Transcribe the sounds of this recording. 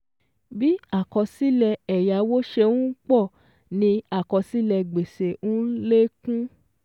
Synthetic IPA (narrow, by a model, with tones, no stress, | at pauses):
bi˦a˦˨kɔ˧si˦lɛ˧ɛ˨ja˨˦wo˦ʃe˧nũ˦k͡pɔ˦˨ | nĩ˧a˦˨kɔ˨˧si˦lɛ˧ɡ͡be˨se˨ũ˦le˦kũ˦